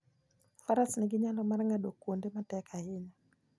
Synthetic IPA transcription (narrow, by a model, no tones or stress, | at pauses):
faɾasniɡɪɲalɔmarŋɡaɗokwondematɛkʰahɪɲa